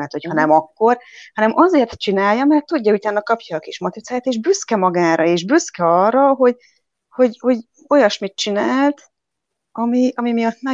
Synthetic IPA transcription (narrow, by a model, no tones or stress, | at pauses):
ɛt̪ho̞chɒnɛmɒkːo̞rhɒnɛmʔɒzeːrt̪t͡ʃinaːjːɒmɛrt̪ːuɟːɒut̪aːnːɒkɒpjɒːkiʃmot̪it̪saːjaːt̪eːʒbyskɛmɒɡaːɾʔɒeːʒbyskɛɒrːɒɦo̞ɟ | ho̞ɟho̞ɟ | o̞jɒʃmit̪t͡ʃinaːlt̪ | ɒmiɒmimijɒt̪nɛ